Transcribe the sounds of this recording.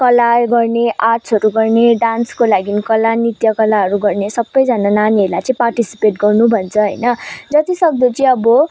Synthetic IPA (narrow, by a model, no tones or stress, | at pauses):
kʌlaɡʌrneʔasʰʌɾuɡʌrneɖanskolaɡinikʌlanit̪jʌkʌlaɦʌɾuɡʌrnesʌbːʌjd͡zanananiʌɾlajt͡sʌĩparʈisi̥peʈɡʌrnubʱʌnt͡sʰʌɦʌjnʌd͡zʌt̪isʌk̚d̪ot͡sʌĩʌbʌ